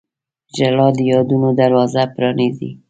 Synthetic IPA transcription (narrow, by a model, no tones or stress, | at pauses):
d͡ʒalɑd̪əjɑd̪unod̪aɾwɑzapɾɑnizḭ